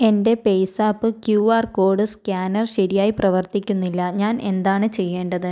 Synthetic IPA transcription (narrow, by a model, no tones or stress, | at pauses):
e̞nde̞pe̞jsaːpːɨkjuːaːrko̞ːɖɨskʲaːnɐrɕɐɾijaːjiprɐʋɐrt̪ikʲːunːilːɐɲaːne̞nd̪aːɳɨt͡ɕe̞jːe̞ːɳɖɐðɨ